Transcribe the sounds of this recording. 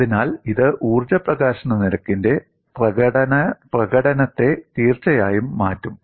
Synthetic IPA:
ðinaːliðɨʔuːrd͡ʑɐprɐɣaːɕɐɳɐniɾɐkːinde̞ | prɐɐɽɐnɐprɐɣɐɽɐnɐt̪ːe̞t̪iːrt͡ɕɐjaːjumːaːtːum

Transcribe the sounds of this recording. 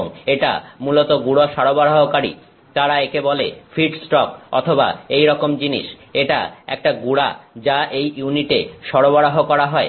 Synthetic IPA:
ŋeʈa̰mulot̪oɡuɽoʃaɾobaɾaɦokaɾḭ | t̪aɾaekebolefʰiɖsʈɔkɔ̰t̪ʰoba̰ejɾɔkomd͡ʑinḭʃeʈa̰ɛ̰k̚ʈaɡuɽa̰d͡ʑaʔejuniʈeʃɔɽobaɽaɦokɔɾaɦɔe

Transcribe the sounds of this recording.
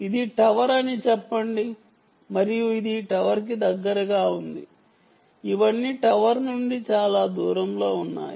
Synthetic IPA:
id̪iʈɐʋɐɾɐnit͡ʃɛpːɐɳɖi | mɐɾijuid̪iʈɐʋɐɾk̬id̪ɐɡːɐɾɐɡaːund̪ḭ | iʋɐnːiʈɐʋɐɾnuɳɖit͡ʃaːlaːd̪uːɾɐmlo̞ːunːa̰ːj

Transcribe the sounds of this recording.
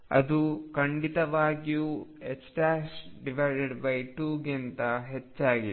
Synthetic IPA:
ɐ̰d̪ukɐɳɖit̪ɐʋaːɡijuːeksʈaːsɖiʋɐɾɖeɖbɐjʈuːɡent̪ɐɦet͡ʃːaːɡi

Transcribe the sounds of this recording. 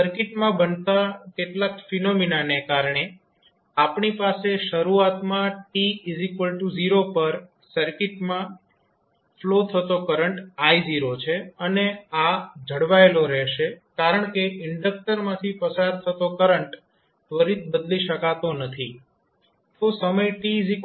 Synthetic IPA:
səɾkɪʈmãbənt̪akeʈlakfinominanekaɾɳe | apɳipaseʃəɾuat̪mãʈiizikəlʈud͡ʒiɾopəɾ | səɾkɪʈmã | flot̪ʰət̪okəɾəɳʈajd͡ʒiɾot͡ʃʰeənead͡ʒʱəɽʋaeloɾɛʃekaɾəɳ̃keɪɳɖək̚ʈəɾmãt̪ʰipəsaɾt̪ʰət̪okəɾəɳʈ | ʋəɾit̪̚bəd̪liʃəkat̪onət̪ʰi | t̪osəməjʈizik

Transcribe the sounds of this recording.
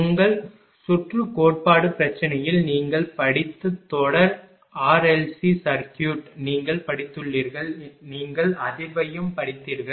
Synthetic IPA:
ʊŋɡɐɭ | sʊʈrɯkoːʈ̚paːɽɯpɪɾɐt͡ʃːɪnɐjɪlniːŋɡɐɭpɐɽɪt̪ːɯt̪ːɔɽɐɾ | aːɾɛlsisɐɾkjuːʈniːŋɡɐɭpɐɽɪt̪ːɯɭːiːɾɣɐɭniːŋɡɐɭɐðɪʋɐjɯmpɐɽɪt̪ːiːɾɣɐɭ

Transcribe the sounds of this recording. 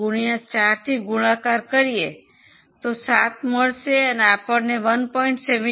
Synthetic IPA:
ʊɽ̃ijãt͡ʃaːɾt̪ʰiɡʊɽãkaːɾkəɾie | t̪osaːt̪məɽseənaːpəɾneʋənpɔːɪ̃ɳʈseʋ

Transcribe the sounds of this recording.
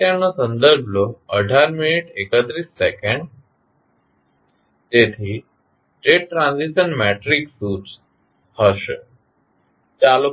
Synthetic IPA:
ãnosə̃nd̪əɾbʱloəɖʱaɾminiʈekət̪ɾiːsːekẽɳɖ | t̪et̪ʰi | ʈɾeːʈʈːɾãːnziʃənmɛʈɾiksuːʈ | həʃ | t͡ʃalu

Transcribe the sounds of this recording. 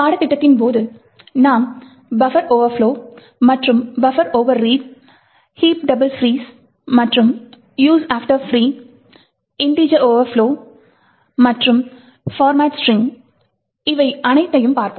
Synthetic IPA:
paːɽɐt̪ːɪʈːɐt̪ːɪnpoːðɯ | naːm | bɐfɐɾoːʋɐɾfloː | mɐʈrɯmbɐfɐɾoːʋɐɾːiːʈ̚ | hiːp̚ɖɐbɐlfɾiːs | mɐʈrɯm | juːsaːfʈɐɾfɾiː | ɪɳɖiːd͡ʒɐoːʋɐɾfloː | mɐʈrɯm | faːɾmaːʈsʈɾɪ̃ŋ | ɪʋɐɪɐnɐɪt̪ːɐjɯmpaːɾpɯ

